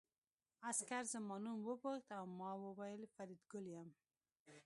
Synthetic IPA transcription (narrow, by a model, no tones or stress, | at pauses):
askaɾzamɑnunwoboxt̪awmɑwobajlfaɾid̪ɡʊljam